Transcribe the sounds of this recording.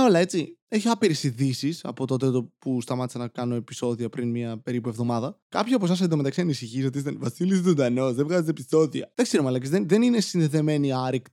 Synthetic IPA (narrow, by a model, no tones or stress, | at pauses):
o̞lɐe̞t͡sie̞çiɐpiɾesiðisisɐ̰po̞t̪o̞t̪̬et̪opust̪ɐmɐt̪isɐnɐkɐno̞epi̥so̞ðiɐpɾinmɲɐpe̞ɾipue̞vðo̞mɐðɐkɐpçiɐp̬osɐs̬ed̪ome̞t̪ɐksiɐnisiçiso̞t̪iis̬t̪envɐsilisud̪ɐno̞sðevɣɐzet̪episo̞ðiɐ̰ðekseɾumeɐlɐk̬izðenðe̞ninesinðe̞ðe̞me̞niɐɾikt̪